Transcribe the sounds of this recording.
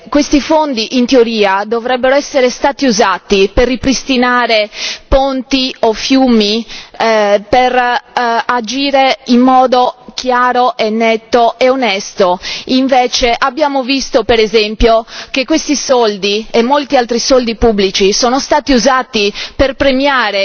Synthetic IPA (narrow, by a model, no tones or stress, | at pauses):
kwest̪ifond̪iʔint̪eoɾiːad̪ovɾɛbːeɾoɛsːeɾest̪aːt̪iuzaːt̪iperːipɾist̪inaːɾepont̪iofjuːmi | per | ad͡ʒiːɾeimːɔːd̪okʰjaːɾoʔenːet̪ːoʔeonɛst̪oiɱveːt͡ʃeʔabːjaːmovist̪opeɾezɛmpjok̟ekːwest̪isɔld̪iemːolt̪ialt̪ɾisɔld̪ipubːlit͡ʃisoːnost̪aːt̪iuzaːt̪iperpɾemjaːɾe